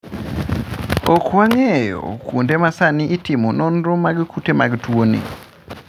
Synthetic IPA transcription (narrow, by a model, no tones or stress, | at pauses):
ɔkwaŋɛjɔ̰kwondemasaniʔːtɪmonɔnɾɔmaɡkutemaɡtwonḭ